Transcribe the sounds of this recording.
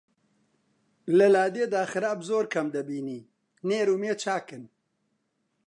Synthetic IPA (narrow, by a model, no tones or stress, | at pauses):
lɐlaːd̪eːd̪aːxɨɾaːbzoːɾkʰɐmd̪ɐbiːniː | neːɾuːmeːt͡ʃʰaːkɨn